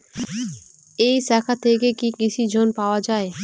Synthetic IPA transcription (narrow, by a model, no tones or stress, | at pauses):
ejsakʰat̪ʰekekikit͡ʃʰid͡ʒʱonpaoad͡ʑae